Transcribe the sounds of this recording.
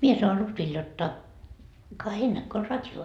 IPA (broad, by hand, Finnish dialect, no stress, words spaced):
mie sɑon lutʋil jotːɑ kɑ heil nækːø o rɑtʲjo